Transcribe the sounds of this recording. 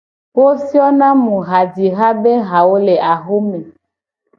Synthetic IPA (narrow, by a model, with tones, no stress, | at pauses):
wo˦si˦ɔ˦nã˦mũ˨ɣa˨d͡ʒi˨ɣa˦be˦ɦa˨wo˦le˨a˨ɦo˦mẽ˨